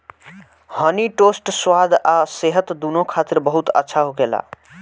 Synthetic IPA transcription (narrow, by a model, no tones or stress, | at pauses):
həniʈosʈswad̪ʱaseɦət̪d̪unokʰat̪iɾbəɦut̪ə̰tːʃʰaɦoɡela̰